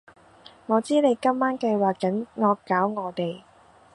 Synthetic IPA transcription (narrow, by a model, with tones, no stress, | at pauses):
ŋɔː˨˧t͡siː˥ne˨˧jkɐ˥mːaː˥nkɐ˧jwaː˨kːɐ˨˥nŋɔː˧kːaː˨˥wŋɔː˨˧t̪e˨j